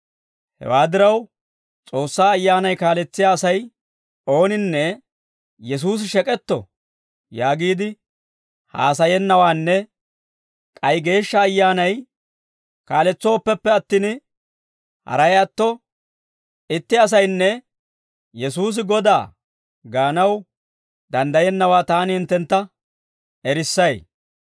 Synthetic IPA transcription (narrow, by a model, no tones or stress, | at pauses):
hɛ̰waːd̪ɪɾɐw | t͡sʼo̞ːsːaːɐjːaːnɐjkaːlɛt͡sːɪjaːsɐj | o̞ːnɪnːɛ | jɛs̬uːs̬ɪʃɛkʼɛt̪ːɔ̰ | jaːɡiːd̪ɪ | ha̰ːsɐjɛnːɐwaːnːɛ | kʼɐjɡe̞ːʃːɐːjːaːnɐj | kaːlɛt͡sːo̞ːpːɛpːɛɐt̪ːɪn | hɐ̰ɾɐjɐt̪ːɔ | ʔɪt̪ːɪɐs̬ɐjnːɛ | jɛsuːs̬ɪɡɔd̪aː | ɡaːnɐw | d̪ɐnd̪ɐjɛnːɐwaːt̪aːnɪhɪnt̪ːɛnt̪ːɐ | ɛɾɪsːɐj